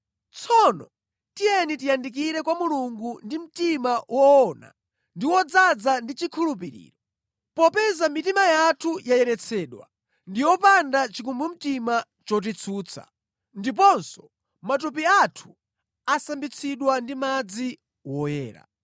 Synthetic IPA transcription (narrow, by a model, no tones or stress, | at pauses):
t͡sʰɔnɔ | tijɛnitijandik̬iɾɛkwamuluŋɡundim̩timawʔɔːna̰ | ndiwɔd͡zad͡zandit͡ʃikʰulupiɾḭːɾɔ | pɔpɛzamitimajatʰujajɛɾɛt͡sʰɛːɗwa̰ | ndiwɔpandat͡ʃikumbum̩tima | t͡ʃɔt̬it͡sʰuːt͡sʰa̰ | ndip̬ɔnsɔ̥ | mat̬up̬iatʰu̥ | asambit͡sʰiɗwandimad͡zi | wɔjɛ̰ːɾa̰